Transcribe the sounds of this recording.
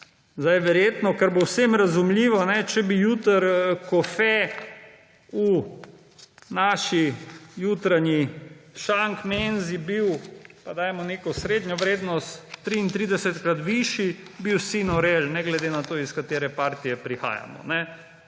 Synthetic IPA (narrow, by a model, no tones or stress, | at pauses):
zd̪ajʋɛɾjet̪nɔkəɾbowsemɾazumliːʋɔnɛt͡ʃɛbijuːt̪əɾkɔfɛ | u | naːʃijut̪ɾaɲiʃaŋkmenzibiwpad̪aːjmɔnekɔsɾeːd̪ɲʲɔʋɾeːd̪nɔst̪ːɾiːnt̪ɾid̪ɛsɛt̪kɾat̪ʋiʃibiwsinɔɾelnɛɡlɛd̪enat̪oːiskat̪eːɾɛpaːɾt̪ijɛpɾixa̰ːja̰mɔ̰nɛ